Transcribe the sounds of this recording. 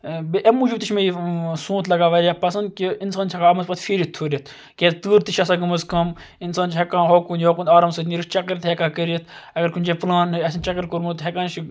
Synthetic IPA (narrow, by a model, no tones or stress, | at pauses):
beʔemuːd͡ʒibt̪iʃʲmeisũːt̪lɐɡaːʋɐɾʲaːpɐsɐnd̪̚kiinsaːnt͡ʃʰɐkaːɐmɐzpɐt̪fiɾit̪ʰuːɾʲit̪ʰ | kʲeːt̪ɨːɾt̪iʃʰɐsaːɡɐmɐzkɐm | insaːnt͡ʃʰɦɐkãːnɦoːkunjoːkunaːɾɐmsɨt̪nʲiɾitt͡ʃɐkɐɾt̪hekaːkəɾit̪ʰɐɡɐɾkunʲd͡ʒeplaːnɐsint͡ʃɐkɐɾkuɾmut̪ɦʲɐkãːnt͡ʃi